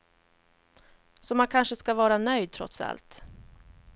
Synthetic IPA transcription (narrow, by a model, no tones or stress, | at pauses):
sɔmankʰanʂəskavɑːɾanœjd̪̚t̪ʰɾɔ̰t̪sa̰lt̪